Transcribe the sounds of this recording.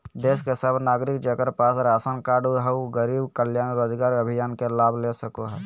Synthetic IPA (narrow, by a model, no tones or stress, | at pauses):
d̪eːskesəbʱnaːɡɾɪkd͡ʒəkəɾpaːsɾaːsənkaːɖuɦɛuɡəɾiːbkəljaːnɾoːd͡ʒɡaːɾəbʱɪjaːnkelaːbʱlesəkoɦɛ